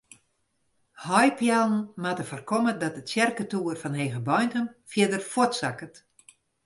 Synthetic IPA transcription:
hɔjpjɛlˠn̩matəfərkɔmədɔtətsjɛrkətuərfɔnhejɣəbɔjntəmfjɪdərfwotsakət

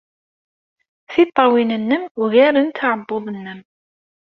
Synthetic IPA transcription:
θit̪ˤːɑwinənːəmʊɣæɾənt̪aʕəbːoðˤənːəm

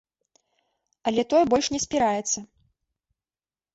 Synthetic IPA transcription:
ɐlʲɛt̪ɔjɛbɔlʲʂnʲɛsʲpʲiɾajɛt̪sːɐ

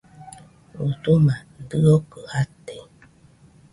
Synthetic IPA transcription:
ut̪umadɨokəhat̪e

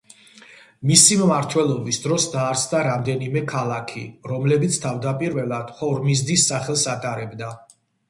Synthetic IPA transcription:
misimːaɾt̪ʰwɛlˠɔbisd̪ɾɔsd̪aːɾt̪sʰd̪aɾamd̪ɛnimɛkʰalˠakʰḭɾɔmlɛbit̪sʰt̪ʰavd̪apʼiɾvɛlˠad̪̥hɔɾmizd̪isːaχɛlˠsat̪ʼaɾɛbd̪a

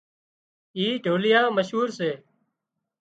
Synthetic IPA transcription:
iːɖʱoːlɪjãːməʃɦuːɾseː

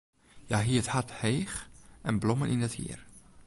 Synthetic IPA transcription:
jaɦiːthathejxʔɛnblɔmənʔɪ̰ndəthḭːər

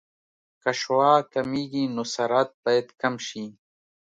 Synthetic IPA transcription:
kɐʃwaːkɐmiːɡiːnusɐɾaːt̪̚bɐjet̪kɐmɕiː

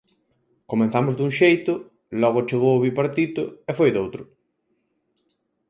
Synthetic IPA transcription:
komẽn̟θamʊzd̪uŋʃejt̪ʊ | lɔɣ̞ʊt͡ʃeɣ̞owʊβipaɾt̪it̪ʊefojðowt̪ɾʊ

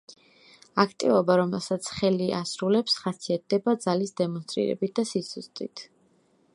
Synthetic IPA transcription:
akʰt̪ʼivɔbaɾɔmɛlˠsat̪sʰχɛliʔasɾulɛpsχasiat̪̚d̪ɛbad̪zalisd̪ɛmɔnst̪ʼɾḭɾɛ̰bit̪̚d̪asisʰust̪ʼit̪ʰ

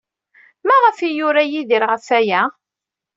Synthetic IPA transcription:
mæʁəfijʊɾæjiðiɾʁəfæjæ

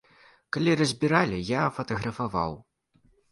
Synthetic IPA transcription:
kalʲiɾɐzʲbʲiɾalʲijafɐt̪ɐɣɾɐfava̰w

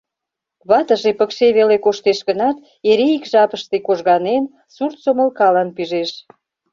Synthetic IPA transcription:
βɑt̪əʒepəkʃeβelekoʃt̪eʃɣənɑt̪ | eɾeikʒɑpəʃt̪ekoʒɣɑnen | surt̪soməlkɑlɑnpyʒeʃ

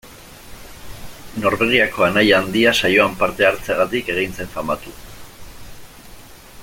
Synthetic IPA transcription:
no̞ɾβe̞ɣ̞iako̞anajand̪iasajo̞ampaɾt̪e̞aɾt͡se̞ɣ̞at̪ike̞ɣ̞int͡se̞ɱfamat̪u

